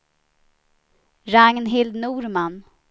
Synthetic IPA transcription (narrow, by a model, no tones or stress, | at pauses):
ɾaŋnɦɪld̪nuːɾman